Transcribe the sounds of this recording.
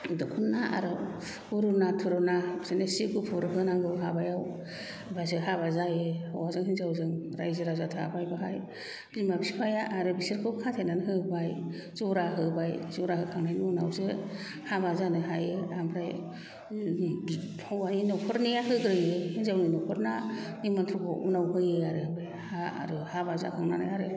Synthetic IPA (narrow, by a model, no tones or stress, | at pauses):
dɯkʰunːaʔa̰ɾɯ | uɾunatʰuɾunasenesiɡupʰuɾɯɦɯnaŋɡɯwɦabajaw | bajsɯɦaβazajɯhawazɯŋhinzawzɯŋɾajzɯɾazatʰa̰bajbaɦaj | zimabisipʰajaʔaɾɯbisiɾkʰɯkʰatʰenanɦɯbaj | z̥ɔɾaɦɯbajzɔɾahɯkʰaŋnajnuuna̰wzɯ | habazanɯɦajɯambɾaj | n | hawaninɔkʰɔɾnijaɦɯɡɾɯjɯhinzawninɔkʰɔɾnanimant̪ʰɾɔkʰɔʔunawɦɯjɯaɾɯbajhaa̰ɾɯhabaza̰kʰaŋnana̰jaɾɯ